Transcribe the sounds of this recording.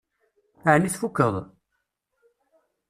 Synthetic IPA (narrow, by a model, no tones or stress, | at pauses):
aʕniθfukːəðˤ